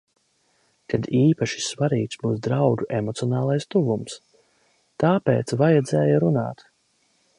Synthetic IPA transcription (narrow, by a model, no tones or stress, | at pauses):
k̪ad̪iːpaʃi̥svaɾiːksbuːsd̪ɾawɡuʔemɔt̪siɔnaːlˠajst̪uvums | t̪aːpḛːt̪svajad̪zɛːjaɾuna̰ːt̪